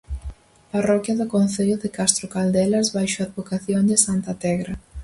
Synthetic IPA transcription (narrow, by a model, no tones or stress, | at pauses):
parɔkjɐðʊkonθeʎʊðɪkast̪ɾʊkald̪ɛlazβajʃoaðβokaθjond̪ɪsant̪at̪ɛɣɾɐ